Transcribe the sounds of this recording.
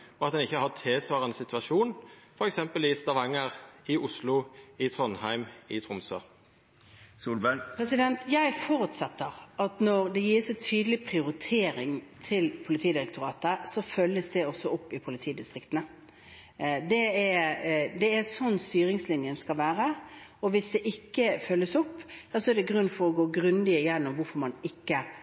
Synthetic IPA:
ɔɑt̪̚d̪ɛnɪçːəhɑt̪ʰeːsʋɑːʁənəsɪt̪ʋɑʃuːnfɔɾɛksɛmpəlʋiːst̪ɑʋɑŋːəʁɪʊslʊɪt̪ʰʁɔnhæɪmɪt̪ʰʁʊmsø̰ː | suːlbæpʰɾɛsɪd̪ɛnt̪ʰjæɪfɔɾʉt̪sɛt̪ːəʁɑt̪nɔʁd̪ɛjiːsɛt̪ʰyːd̪əlɪpʰʁɪʊɾɪt̪ʰeːɾɪŋt̪ʰɪlpʰʊlɪt̪ʰiːd̪ɪɾɛkt̪ʊɾɑːt̪əsɔfœlːəsd̪ɛɔsːɔɔpːɪpʰʊlɪt̪ʰiːd̪ɪst̪ʁɪkt̪ənə | d̪ɛɛd̪ɛɛɾsɔnːst̪yːɾɪŋslɪnjənskɑlʋæːɾəɔʋɪsd̪ɛʔɪkːəfœlːəsɔpːjɛsɔɛɾd̪ɛɡʁʉnːfɔɾɔɡoːɡʁʉnd̪ɪəjɛnːɔmʋʊɾfɔɾmɑnɪkːə

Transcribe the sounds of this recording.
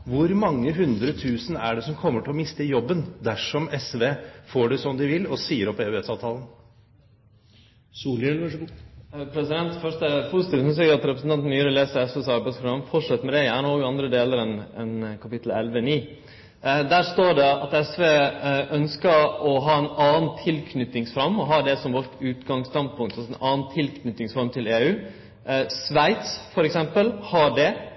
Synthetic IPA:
ʋʊɾmɑŋːəɦʉnd̪ɾəɔt̪ʰʉːsən̩æɖɛsɔmkʰɔmːəʈʰɪlɔmɪst̪əjɔbːənd̪æʂɔmɛsʋeːfoːɖɪsɔmd̪ɪʋɪlɔsiːəɾɔpːɛɛt̪sɑːʋt̪ʰɑːlən | suːlɛlə | pʰɾɛsɪd̪ɛnt̪fœʂʈəpʰʊsɪt̪iːʋsʏns̬ɛɡɑt̪ɾɛpɾəsn̩t̪ʰɑnt̪nmyːəɾəleːsəɾɛsʋeːsɑɾbæɪspʰɾʊɡɑmfɔʂɛt̪ːmɛd̪ɛæɳoːɡɑnd̪ɾəd̪eːləɾɛnɛnkʰɑpɪt̪ʰlɛ̰lʋəniː | d̪æːɾʂt̪oːɖɛɑt̪ɛsʋeːʔœnskəɾɔɦɑːɛnɑːnt̪ʰɪlkʰnʏt̪ːɪŋsfɾɑmːɔɦɑːd̪ɛsɔmʋɔʈːʉːt̪ɡɑŋst̪ɑnd̪pʰʊŋt̪ɑlsɛnʔɑːnt̪ʰɪlkʰnʏt̪ːɪŋsfɔɾmt̪ʰɪleːʉː | sʋæɪt̪sfɔɾɛksɛmpəlhɑɖɛ

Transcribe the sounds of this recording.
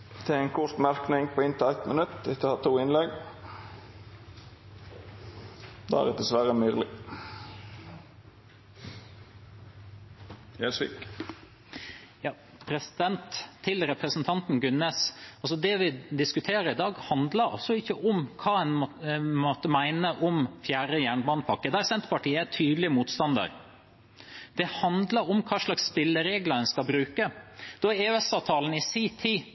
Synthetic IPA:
d̪̥ɛɛɪnkʰʊt̪mæɾknɪŋpʰɔɪnt̪ʰæɪt̪mənʉt̪ːd̪ɪtːəhɑːt̪ʰuːɪnlɛɡ | d̪ɛ̰æ̰ɾɛd̪ɛsʋæɾəmyːɾlɪ | jæsʋḭːk | jɑː | pʰɾɛsɪd̪ɛnt̪ʰːɪlɾɛpɾəsənt̪ʰɑnt̪nɡʉnːɛsɑlsɔd̪ɛʋɪd̪ɪskʉt̪ʰeːɾəɾɪd̪ɑːɡhɑnd̪ləɾɑ̰sɔɪçːəʔɔmkʰɑːɛnmot̪əmæɪnəʔɔmfjæːɾəjæːɳbɑːnpʰɑkːəd̪æɾsɛnt̪pɑʈiːəæʈʰyːd̪lɪəmuːt̪st̪ɑnd̪ɑ̰ɾ | d̪̥ɛhɑnd̪ləɾɔmkʰɑːʂlɑksːpɪlːəɾeːɡlɑdɛnskɑbɾʉːkəd̪̥ɔæɛɛsɑʋt̪ʰɑːln̩ɪsiːt̪ʰiː

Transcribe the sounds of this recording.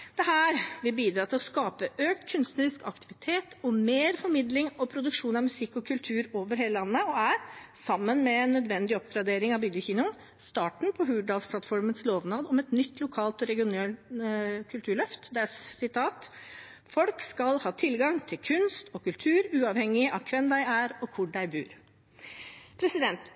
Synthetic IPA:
d̪̥ɛɦæːɾʋɪbiːd̪ɾɑːt̪ɪlɔskɑːpəʔøːk̚t̪kʰʉnst̪nəɾɪskɑ̰kt̪ɪʋɪt̪ʰeːt̪ɔmeːɾfɔɾmɪd̪lɪŋɔpʰɾʊd̪ʉkʂuːnɑmʉsɪkːɔkʰʉlt̪ʰʉːɾoːʋəɾheːləɑnːəɔæɾsɑmːənmɛɛnːœd̪ʋɛnd̪ɪɔpɡɾɑd̪eːɾɪŋɑʋbʏɡ̪jəçiːnʊn | st̪ɑːʈɳ̩pʰɔɦʉːɖɑːlspʰlɑt̪fɔɾmənsloːʋnɑːd̪ɔmɛt̪nʏt̪ːlʊkʰɑːlt̪ɔɾɛɡɪʊneːl | kʰʉlt̪ʰʉːɭœft̪d̪ɛsɪt̪ʰɑːt̪ | fɔlkskɑlhɑːt̪ʰɪlɡɑŋt̪ʰɪlkʰʉnst̪ɔkʉlt̪ʰʉːɾʉːɑʋhɛŋːɪʔɑʋkʰʋɛnd̪æɪæɾɔkʰʊɖæɪbʉ̰ːɾ | pʰɾɛsɪd̪ɛnt̪

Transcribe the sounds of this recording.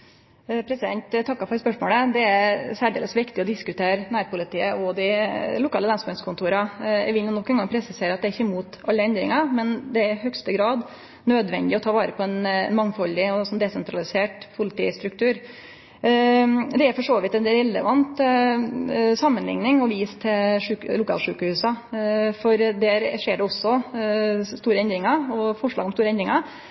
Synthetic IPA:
pʰɾɛsɪd̪ɛnt̪t̪ɑkːɑfɔɾɛspœʂmo̰ːləd̪ɛæɾsæːɖḛːləsʋɪkt̪ɪɔd̪ɪskʉt̪ʰeːɾnæːɾpʊlɪt̪ʰiːəɔd̪ɪlʊkʰɑːləlɑnsœnskʊnt̪ʰuːɾɑæ̰ʋɪnuːnɔkːɛnɡɑŋpʰɾɛsɪseːɾɑt̪̚d̪ɛæɾɪçːəmuːt̪ɑlːəɛnd̪ɾɪ̰ŋɑmɛnd̪ɛæɾɪhœkst̪əɡɾɑːd̪ | nøːd̪ʋɛ̰nd̪ɪɔt̪ʰɑːʋɑːɾəpʰɔɛn̰nmɑŋːfɔlːɪɔsɔnd̪ɛsɛnt̪ɾɑlɪseːʈpʰʊlɪt̪ḭːst̪ɾʉk̚t̪ʰʉːɾ | d̪ɛæɾfɔʂoːʋɪt̪ːɛnd̪elɛlːə̰ʋɑnt̪ | sɑmːənlɪ̰ŋnɪŋɔʋiːst̪ʰɪlʂʉːklʊkʰɑ̰ːlʂʉːkəhʉːsɑfɔɾd̪æɾʂeːɖɛɔsːɔ | st̪uːɾəɛnd̪ɾɪŋɑɔfɔʂɭɑ̰ːɡɔmst̪uːɾəɛnd̪ɾɪŋɑɾ

